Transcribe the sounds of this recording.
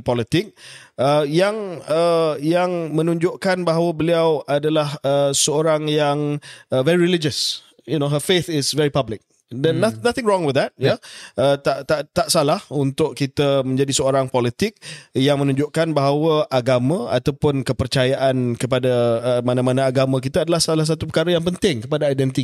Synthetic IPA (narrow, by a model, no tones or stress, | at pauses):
pɔlit̪ɪk̚əjaŋəjaŋmə̃nũɲd͡ʒʊʔkanbaɦawəbəliawʔadalahəsəoɾaŋjaŋəvɛɹiɾilid͡ʒəs | junoɦəfet̪ɪsvɛɹipablɪk̚ | dɛnːnaθɪ̃ŋɹɔ̃ŋwɪðdɛt̚jaət̪aʔt̪aʔt̪aʔsalahunt̪ʊʔkit̪əmə̃ɲd͡ʒadisəoɾaŋpɔlit̪ɪk̚jaŋmə̃nũɲd͡ʒʊʔkanbaɦawəʔaɡamãa̰t̪awpʊnkəpərt͡ʃajaʔankəpadaəmãnãmanãːɡamãk̬it̪aːdalahsalahs̬at̪up̬əkaɾəjaŋpənt̪ɪŋkəpadaajdɛnt̪i